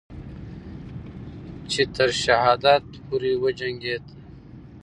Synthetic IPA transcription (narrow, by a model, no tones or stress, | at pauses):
t͡ɕʰit̪ɐɾɕɐɦaːd̪aːt̪puɾiːwɐd͡ʑɐŋɡeːt̪